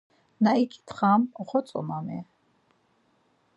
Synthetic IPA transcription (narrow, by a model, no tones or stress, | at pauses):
naikʰʼi̥t̪ʰχamɔχɔt͡sʼɔ̰mamɛ